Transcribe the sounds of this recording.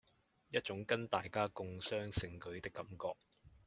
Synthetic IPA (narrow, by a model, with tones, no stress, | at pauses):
jɐ˥t̚t͡ʃʊ˨˥ŋkɐ˥nt̪aː˨jkaː˥kʊ˨ŋsœː˥ŋsɪ˨˧ŋkɵ˨˥ɥt̪ɪ˥kːɐ˨˧˥mkɔː˧k̚